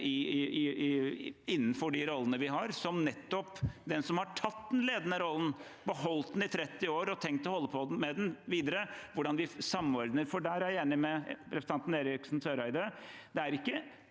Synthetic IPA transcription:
ɪ | ɪnːnfɔɖɪɾɔlːənəʋɪɦɑɾsɔmnɛt̪ːɔpd̪ɛnsɔmhɑʈʰɑt̪ːd̪ɛnleːd̪ənəɾɔlːən | bəhɔlt̪̚d̪n̩ɪt̪ʰɾɛt̪ːɪoːɾɔt̪ʰɛŋkt̪ɔhɔlːəpʰɔmɛd̪ɛnʋiːd̪əɾəʋʊɖɑnʋɪsɑmːɔɾd̪nəɾfɔɖæːɾæjæːnɪmɛɾɛsə̥t̪ɑnt̪n̩eːɾɪksn̩sʰøːɾɑɪd̪əd̪ɛæɾɪkːə

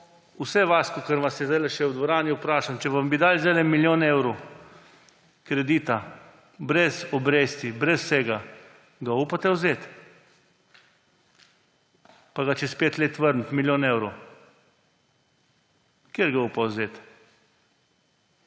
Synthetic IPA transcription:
usɛʋaːskɔkəɾʋasjɛzd̪ajlɛʃɛwd̪ʋɔɾaːniupɾaːʃamt͡ʃɛʋambid̪aːlzɛlɛmiljoːnɛwɾow | kɾɛd̪iːt̪a | bɾɛsɔbɾeːst̪ibɾɛsːɛɡa | ɡaupat̪ɛwzeːt̪ | paɡat͡ʃɛspeːt̪leːt̪ʋəɾnt̪miljoːnɛwɾow | keːɾɡauːpawzeːt̪

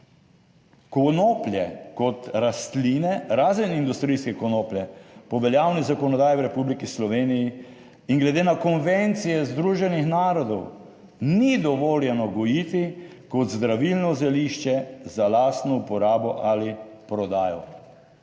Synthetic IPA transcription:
kɔnoːplʲjɛkɔt̪ɾast̪liːnɛɾaːzənind̪ust̪ɾiːskɛkɔnopljɛpɔʋɛljawnizakɔnɔd̪aːjiwɾɛpublikislɔʋeːniji | iŋɡlɛd̪eːnakɔnʋent̪sijɛzd̪ɾuʒɛnixnaːɾɔd̪ɔw | nid̪ɔʋoːljɛnɔɡɔjit̪i | kɔt̪zd̪ɾaʋilnɔzɛliʃt͡ʃɛzalaːst̪nɔupɔɾaːbɔʔalipɾɔd̪aːjɔ̰

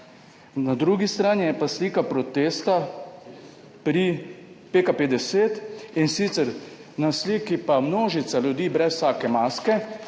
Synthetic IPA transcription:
nad̪ɾuːɡist̪ɾaːnijɛpasliːkapɾɔt̪eːst̪a | pɾi | peːkapeːd̪ɛseːt̪insiːt̪sɛɾ | nasliːkipamnoːʒit̪salud̪iːbɾɛssaːkɛmaːskɛ

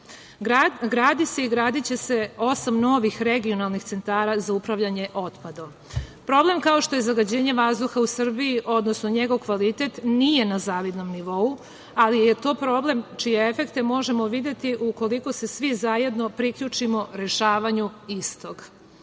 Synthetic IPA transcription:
aɡɾaːd̪ise̞iɡɾaːd̪it͡ɕe̞se̞o̞samno̞ʋixɾe̞ɡio̞nalnixt̪se̞nt̪aːɾazaupɾaʋʎaɲe̞ʔo̞t̪pad̪o | pɾo̞ble̞mkao̞ʃt̪o̞je̞zaɡad͡ʑe̞ːɲe̞ʋazd̪uxausr̩bijiʔo̞d̪nosno̞ɲe̞ɡo̞ʋkʋalit̪e̞t̪nije̞nazaːʋid̪no̞mniʋo̞u | alije̞t̪o̞ːpɾo̞ble̞mt͡ʃijeefe̞kt̪e̞mo̞ʒe̞mo̞ʋid̪je̞t̪iʔuko̞liko̞se̞sʋizaje̞d̪no̞pɾikʎut͡ʂimo̞ɾe̞ʃaːʋaɲuist̪o̞ɡ̥

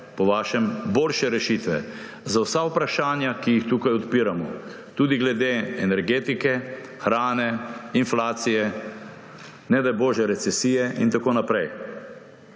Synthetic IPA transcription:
pɔʋaːʃɛmboːlʃɛɾɛʃit̪ʋɛ̰ | zawsaupɾaʃaːnjakijixt̪uːkajɔt̪piːɾamɔ̰ | t̪uːd̪iɡlɛd̪eɛnɛɾɡeːt̪ikɛ | xɾaːnɛinflaːt̪sijɛ | nɛd̪ajboːʒjɛɾɛt̪sɛsiːjɛʔint̪akoːnapɾɛj

